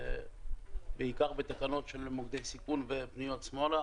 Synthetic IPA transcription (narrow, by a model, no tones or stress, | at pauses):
beikaʁbet̪akano̞tʃelmoɡd̪ejsikunvepnijot̪smola